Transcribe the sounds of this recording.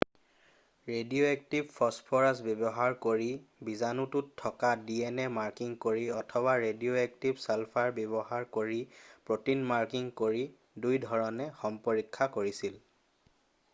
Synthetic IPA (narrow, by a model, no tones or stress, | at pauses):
ɹedioɛk̚tibpʰɔspʰɔɹasbebɔɦaɹkoɹibizanutʊtʰːɔkadiɛnɛmaɹkiŋkoɹiɔtʰɔbaɹedioɛk̚tibsɛlpʰaɹbebɔhaɹkoɹipɹotinmaɹkiŋkoɹi | dujdʱɔɹɔnɛxɔmpoɹikʰːakoɹisil